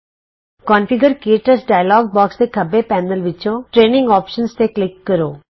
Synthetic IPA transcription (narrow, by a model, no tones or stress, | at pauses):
kɔ̃ːnfiɡəɾkeːʈəsɖaːjəlɔːɡ̚bɔːksd̪ekʰɐbepɛ̃ːnəlʋɪt͡ʃõʈɾeːnɪ̃ŋɡɔːpʃənst̪eklɪkːəɾoː